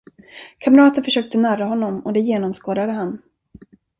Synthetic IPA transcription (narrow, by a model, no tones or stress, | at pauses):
kʰamɾɑːt̪ənfœʂøːk̚t̪ənæɾaɦɔnːɔmɔd̪ɛjeːnɔmskoːd̪ad̪əɦan